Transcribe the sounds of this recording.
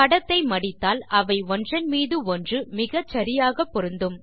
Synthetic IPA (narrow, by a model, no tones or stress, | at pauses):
kɐɽɐt̪ːɐɪmɐɽɪt̪ːaːlɐʋɐɪɔndrɐnmiːðɯɔndrɯmɪɣɐt͡ʃɐɾɪjaːɣɐpːɔɾɯnd̪ɯm